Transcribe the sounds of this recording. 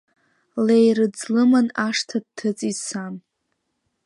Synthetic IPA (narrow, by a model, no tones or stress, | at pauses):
lejrɨd͡zlɨmanaʂtʰad̚tʰɨt͡sʼisan